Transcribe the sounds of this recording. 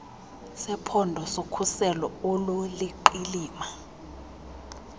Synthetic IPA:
sɛpʰɔndʱɔsokʰusɛlɔololiǃiliːma

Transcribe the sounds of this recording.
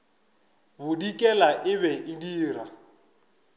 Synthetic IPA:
bʊdikʼɛlaʔɪβɛʔɪdiːɾa

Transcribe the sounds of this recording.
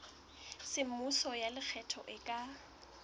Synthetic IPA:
sɪm̩musɔjalɪk͡xʰɛtʰɔ̰ʔɪkʼa

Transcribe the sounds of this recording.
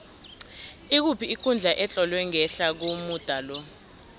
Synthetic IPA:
ik̬upʰiikʰund͡ɮʱaʔɛt͡ɬʼɔlwɛŋɛɬak̬umud̥ʱaːlɔ

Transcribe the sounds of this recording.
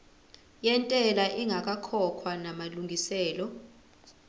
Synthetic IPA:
jɛntʼɛlaʔiŋak̬ʼakʰɔkʰwanamaluŋɡʱisɛːlɔ

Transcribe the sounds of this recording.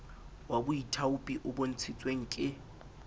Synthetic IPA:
wabʊitʰaʊpʼiʔʊbon̩t͡sʰit͡sʼweŋ̩ːkʼɪ

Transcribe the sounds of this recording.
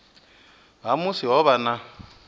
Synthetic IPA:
ɦamusiɦɔβana

